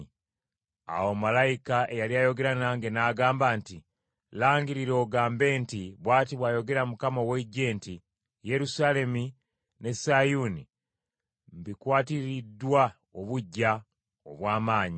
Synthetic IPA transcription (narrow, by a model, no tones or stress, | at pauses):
a̰womalajikaʔe̞jaliajo̞ɡe̞ɾanaːŋɡe̞naːɡaːmbaːnti | laːŋɡiɾiɾo̞ːɡaːmbe̞ːntiβwaːtiβwaːjo̞ɡe̞ɾamukamaoweɟe̞ːnti | je̞ɾusale̞mi | ne̞sajuni | mbikwaːtiɾidːwa | oβuɟːa | o̰βwaːmaːɲi